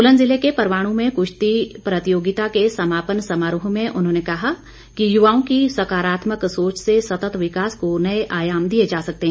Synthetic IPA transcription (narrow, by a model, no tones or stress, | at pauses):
ʊlə̃nzɪlekepɐɾʋaːɽ̃ũmẽkʊʃt̪ipɾɐt̪ijoːɡɪt̪akesɐmaːpənsɐmaːɾʊɦõmẽʔʊnɦõːnekɐɦa | kijʊʋaːõkisɐkaːɾaːt̪məksoːt͡ʃsesɐt̪ət̪ʋɪkaːskonɐeʔaːjaːmd̪ied͡ʒaːsɐk̚t̪eɦɛ̃ː